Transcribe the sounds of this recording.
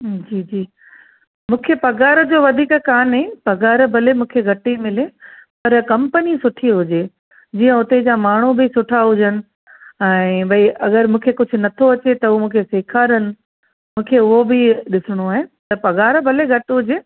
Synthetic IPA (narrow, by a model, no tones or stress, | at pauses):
d͡ʑiːd͡ʑiː | mũːkʰepɐɡaːɾə̆d͡ʑoːʋɐd̪ʱiːkkaːnɦepɐɡaːɾbʱɐlemũːkʰeɡʱɐʈimɪlepɐɾkɐ̃mpənisʊʈʰiɦʊd͡ʑeː | d͡ʑiːɐ̃ʊt̪ed͡ʑaːmaːɳ̤̃ubɪsʊʈʰaɦʊd͡ʑənɪ̆ | ɛ̃ːbʱɐiʔɐɡəɾmũːkʰekʊd͡ʑʱʊ̆nɐt̪ʰoɐt͡ɕet̪ɐʊomũːkʰeseːkʰaːɾənɪ̆ | mũːkʰeʊɦobɪɗɪsɪɽ̃oaːɦet̪ɐpɐɡaːɾbʱɐleɡʱɐʈɪɦʊd͡ʑeː